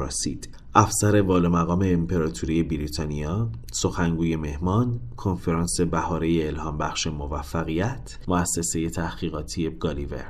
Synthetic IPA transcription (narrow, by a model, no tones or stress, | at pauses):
ɒ̰sḭːd̪̥ | ʔæfsæɾe̞vɒːlomæɣɒːme̞ːmpʰe̞ɾɒːt̪ʰuɾije̞biɾit̪ʰɒːniɒː | so̞xæŋɡuːje̞me̞hmɒːnkʰo̞nfe̞ɾɑːnse̞bæhɒːɾejeːlhɒːmbæxʃemo̞væfːæɣijæt̪ʰmoæsːe̞se̞je̞t̪ʰæhɣ̥iːɣɒːt̪ʰije̞ɡ̥ɒːlive̞̰ɾ